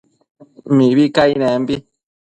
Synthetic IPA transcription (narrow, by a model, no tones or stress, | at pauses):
miβikainɛ̃mbi